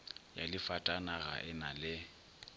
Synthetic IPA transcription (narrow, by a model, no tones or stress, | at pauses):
ja̰lɪfatʼanaɣa̰ʔɪnalɪ